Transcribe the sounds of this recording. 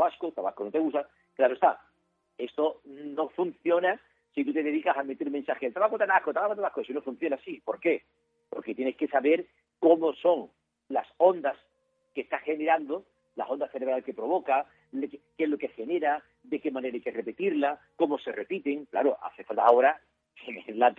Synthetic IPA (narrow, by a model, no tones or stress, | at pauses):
t̪aβaskot̪aβa̰skono̞t̪e̞ɣust̪a | klaɾoest̪a | e̞st̪o̞no̞fun̟θjo̞na | sit̪ut̪e̞ðe̞ðikasame̞t̪eɾmensaxelt̪aβakot̪ak̪ahkot̪aβakot̪aβakosinofun̟θjo̞nasipo̞ɾke̞ | po̞̰ɾke̞t̪je̞neske̞saβe̞ɾ | ko̞mo̞so̞ŋ | laso̞nd̪as | ke̞st̪axe̞ne̞ɾand̪o̞ | la̰sond̪aθeɾe̞β̞ɾalke̞pɾo̞β̞oka | lkkezlo̞ke̞xe̞ne̞ɾa | ðe̞ke̞mãne̞ɾajkere̞pet̪iɾlako̞mo̞se̞re̞pit̪e̞ŋkla̰ɾoʔa̰θe̞falt̪a̰o̞ɾa | siŋelat̪